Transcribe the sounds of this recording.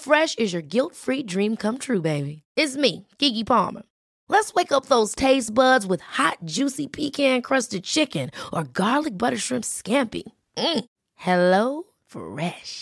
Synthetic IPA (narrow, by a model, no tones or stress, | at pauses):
fɹɛʃɨzjə˞ɡɪlˠtfɹidɹĩmkʰʌ̃mtʰɹʉbeɪbiɪtsmiɡ̥ɪɡipʰɑ̰ɹmə̰˞ | lətsweɪkʌp̚ðoʊz̥tʰeɪsb̥ʌdzwɨð̥hɑt̚d̥ʒ̥ʉsipʰikæ̃nkʰɹ̥ʌstɨd̚t͡ʃʰɪkɨ̃nʔə˞ɡɑɹlˠɨk̚b̥ʌɾə˞ʃɹ̥ɪ̃mskæ̃mpḭ | m̩ | hɛloʊ | fɹɛʃ